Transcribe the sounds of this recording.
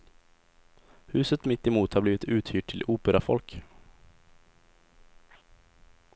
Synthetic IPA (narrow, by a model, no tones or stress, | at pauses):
hʉ̟ːsət̪mɪt̪ːɪmuːt̪haɾbliːvɪt̪ʰʉ̟ːt̪hyːʈʰːɪluːpəɾafɔ̰lk